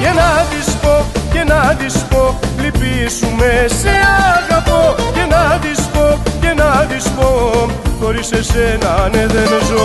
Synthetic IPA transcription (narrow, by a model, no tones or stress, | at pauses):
jenaðispocenaðispolipisumeseaɣapocenaðispocenaðispoxoɾisesenaneðeɾezo